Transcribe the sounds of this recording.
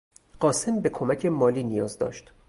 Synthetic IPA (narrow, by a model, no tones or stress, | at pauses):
ɢ̥ɒːse̞mbe̞kʰomæcʰe̞mɒːliːnijɒːzd̪ɒ̰ːʃt̪